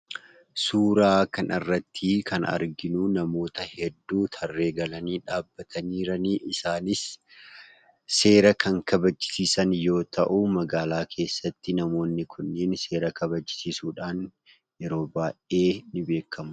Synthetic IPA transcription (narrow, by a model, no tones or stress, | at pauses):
suːɾaːkɐnʔɐrːɐt̪ʰːikʰɐnɐ̰ɾɡɪnuːnɐmo̞ːt̪ɐhɛd̪ːuːt̪ʰɐrːe̞ːɡɐlɐniːᶑaːbːɐt̪ʰɐniːɾɐniːʔɪsaːnɪs | e̞ːɾɐkʰɐŋkɐbɐt͡ʃːɪ̥siːsɐnjo̞ːt̪ʰɐʔumɐɡaːlaːkʰe̞ːsːɐt̪ːɪnɐmo̞ːnːɪkʰʊnːeːnse̞ːɾɐkʰɐbɐt͡ʃːɪ̥siːsuːᶑaːn | jɛɾo̞ːbaːʔe̞ːnɪbe̞ːkʰːɐmʊ